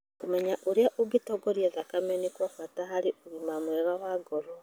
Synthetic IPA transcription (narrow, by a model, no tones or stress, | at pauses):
kumɛɲaʔoɾeaʔoɡitɔɡɔɾjeðakamɛnikwafatahaɾɪoɣimamwɛɾawaːɡoɾo